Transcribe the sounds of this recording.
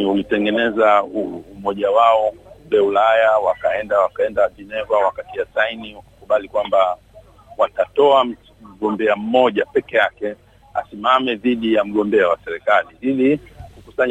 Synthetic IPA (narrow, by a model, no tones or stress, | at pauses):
ulitɛŋɡɛnɛzauumɔʄawaɔmbɛulajawakaɛndawakaɛndaʄinɛvawakatiasainiwakḁkuɓalikwamba | watatɔa | m̩ɠɔmbɛam̩mɔʄapɛkɛjakɛ | a̰simamɛðiɗijam̩ɠɔmbɛawasɛɾɛkaliilikukusaɲ